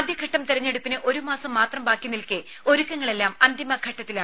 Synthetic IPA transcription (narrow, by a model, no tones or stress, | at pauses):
d̪jɐɡʱɐʈːɐmt̪iɾɐɲːeɽupːinɨʔo̞ɾumaːsɐmːaːt̪rɐmbaːkjunːilkɨ | o̞ɾukːɐŋːɐɭe̞lːaːmɐnd̪imɐɡʱɐʈːɐt̪ːilaː